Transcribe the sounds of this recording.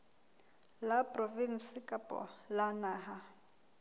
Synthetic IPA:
lapʼrɔvin̩sikʼapʼɔ̰lanaːɦa

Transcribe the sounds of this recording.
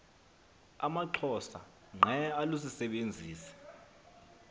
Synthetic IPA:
a̰maǃʰɔsa̰ | ŋ͡ǃʱɛalusisɛɓend͡zʱiːsɛ̥

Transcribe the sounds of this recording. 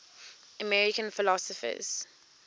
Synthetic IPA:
əmɛɹɪkə̃nfɪlɔsɔfə̰z̥

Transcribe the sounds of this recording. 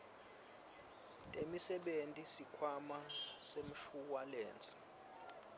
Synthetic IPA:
tʼemisɛɓentʼisikʰwamasem̩ʃuwalɛːnt͡sʼi̥

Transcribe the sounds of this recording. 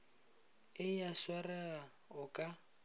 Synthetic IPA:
ɪjaʃwarɛɣa | ʊkʼa

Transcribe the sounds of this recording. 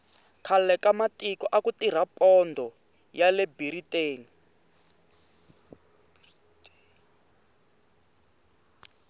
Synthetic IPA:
kʰalɛkamatikɔʔakutir̤apɔndʱɔ | jalɛbiriteːni

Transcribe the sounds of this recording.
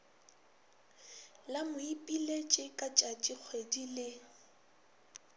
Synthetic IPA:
lamʊipʼilet͡ʃʼɪkʼat͡ʃʼat͡ʃʼik͡xʰwedilɪ

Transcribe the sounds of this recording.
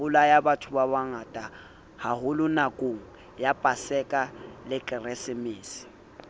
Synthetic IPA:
ʊlajabatʰʊbaβaŋatʼa | hahʊlʊnakʼoŋ̩ | japʼasɛkʼalɪkʼɪrɛsɪmɪːsɪ̥

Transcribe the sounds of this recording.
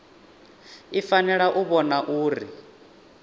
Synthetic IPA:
ifanɛɺaʔuβɔnaʔuːɾḭ

